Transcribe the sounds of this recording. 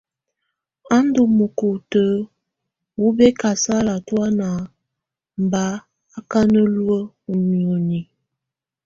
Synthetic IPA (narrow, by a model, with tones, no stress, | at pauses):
a˦n˦du˨mə˨ko˨tə˨˦ | wu˦bɛ˦ka˨sa˦la˨twa˦na˨ | m̩˨ba˨˦ | a˦ka˦nə˦lu˦ə˦ | u˨mi˨o˨ni˨